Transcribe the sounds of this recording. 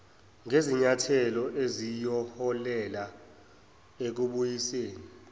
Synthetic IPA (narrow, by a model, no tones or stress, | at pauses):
ŋeziɲatʰɛlɔʔezijɔhɔlɛla | ek̬uɓujiseːni